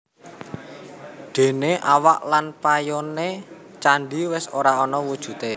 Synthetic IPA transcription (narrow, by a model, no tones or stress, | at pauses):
ɖ̪̥e̤neʔawaʔlanpajɔne | t͡ʃaɳɖiwɪsoɾaɔnɔwud̥ʒ̥ṳt̪e